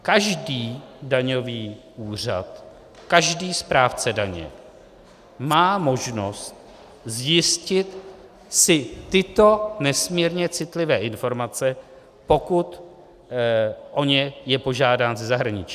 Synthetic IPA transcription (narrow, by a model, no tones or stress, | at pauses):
kaʒdiːdaɲoviː | ʔuːr̝a̰t̪ | kaʒdiːspɾaːft͡sɛdaɲɛ̰ | maːmo̞ʒnost̪̚ | zjɪscɪt̪ | sɪːɪt̪o̞nɛsmiːɾɲɛt͡sɪt̪lɪvɛːʔɪnfo̞ɾmat͡sɛ | po̞kut̪ | ʔo̞ɲɛjɛpo̞ʒaːdaːnzɛzaɦɾaɲɪt͡ʃi